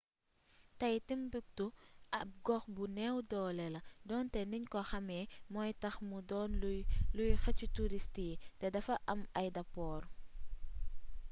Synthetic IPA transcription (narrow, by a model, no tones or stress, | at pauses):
tɐjtimbuk̚tuʔɐp̚ɡɔxbunɛwdɔːlɛlɐdɔːntɛniɲkɔxɐmɛːmɔːjtɐxmudɔːnlujxɐcutuɾistitɛdɐfɐʔɐmɐjdɐpɔːɾ